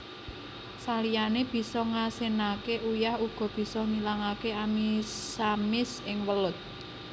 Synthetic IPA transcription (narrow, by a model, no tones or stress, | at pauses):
salijaneb̥i̤sɔŋasenakeʔujahuɡ̥ɔ̤b̥i̤sɔnilaŋakeamiamɪsɪŋwəlʊt̪̚